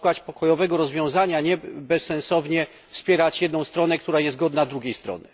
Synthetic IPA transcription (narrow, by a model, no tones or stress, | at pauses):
kwat͡ɕpɔkɔjɔvɛɡɔɾɔzvʲjɔ̃w̃zaɲaɲɛbɛsːɛ̃nsɔvɲɛ | fspʲjɛɾat͡ɕjɛd̪nɔ̃w̃st̪ɾɔnɛkt̪uɾajɛst̪ɡɔd̪nad̪ɾuɡʲejst̪ɾɔ̰nɘ̰